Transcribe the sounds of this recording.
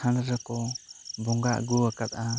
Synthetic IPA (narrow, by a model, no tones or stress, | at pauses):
ãnɾəkɔbɔŋɡaʔɡuakat̪̚a